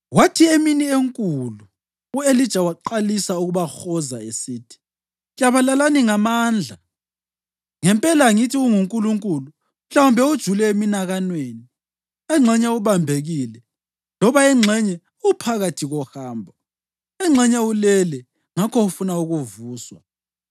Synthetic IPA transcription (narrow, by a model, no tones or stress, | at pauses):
watʰieminieŋkʼulu | uelid̥ʒ̥ʱawaǃalisauɣuβaxɔzaesiːtʰi̥ | jaβalalaniŋamaːnd͡ɮʱa | ŋɛmpʼɛlaŋitʰiuŋuŋkʼuluŋkʼulu | m̩ɬaumbʱɛud̥ʒ̥ʱulɛeminaɣanweni | ɛŋ͡ǁʱɛɲɛuβambʱeɣiːlɛ | lɔβaɛŋ͡ǁʱɛɲɛ | upʰaɣatʰiɣɔhaːmbʱɔ | ɛŋ͡ǁʱɛɲɛulɛlɛ | ŋakʰɔufunauɣuvuːswa̰